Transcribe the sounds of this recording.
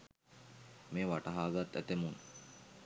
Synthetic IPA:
meːʋaʈɐɦaːɡat̪ːæ̰t̪emun

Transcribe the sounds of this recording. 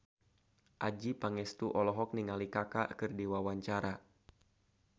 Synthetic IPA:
ʔad͡ʒipaŋɛst̪uʔɔlɔɦɔk̚niŋalikakakɨrdiwawaɲt͡ʃaɾa

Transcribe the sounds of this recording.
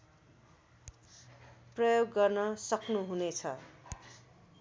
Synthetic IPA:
prʌjoɡːʌrnʌsʌknuɦunet͡sʰʌ̰

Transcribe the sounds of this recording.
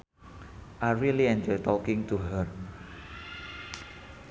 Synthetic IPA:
ʔaɹiliɛ̃ndət̪ɔkɪ̃ŋt̪uɦər

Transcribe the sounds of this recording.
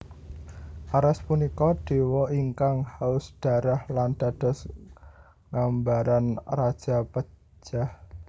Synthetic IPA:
ʔaɾɛspunikɔɖ̥e̤wɔiŋkaŋhaʊsd̥a̤ɾahland̥a̤d̥ɔ̤s | ŋambaɾanrad̥ʒ̥a̤pə̥ | d͡ʒ̥ah

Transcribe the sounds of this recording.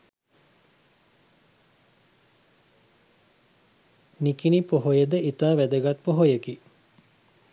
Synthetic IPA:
nikinipoɦojəd̪əit̪aːʋæd̪əɡat̪poɦojəki

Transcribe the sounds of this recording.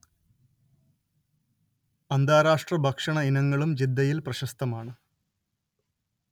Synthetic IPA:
ɐnd̪ʱaːɾaːʂʈrɐbʱɐkʂɐɳɐinɐŋːɐɭumd͡ʑid̪ʱːɐjilprɐɕɐst̪ɐmaːɳɨ

